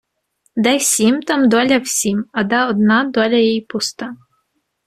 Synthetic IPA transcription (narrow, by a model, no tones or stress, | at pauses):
d̪ɛjwsʲimt̪amd̪ɔlʲɐwsʲimɐd̪aɔd̪nɑd̪ɔlʲɐjɛjpust̪a